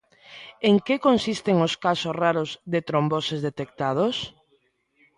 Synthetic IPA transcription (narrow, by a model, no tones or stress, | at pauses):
eŋkekonsist̪eŋʊskasosraɾʊzðet̪ɾombosezðet̪ek̚t̪að̞os